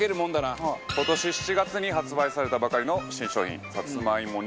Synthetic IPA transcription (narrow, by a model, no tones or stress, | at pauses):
e̞ɾɯ̟mõnd̪anako̞t̪o̞ɕiɕi̥t͡ɕiɡat͡sɨɲ̟iɦat͡sɨbaisaɾe̞t̪abakaɾʲino̞ɕĩɕo̞ːçḭ̃sat͡sɨmaimo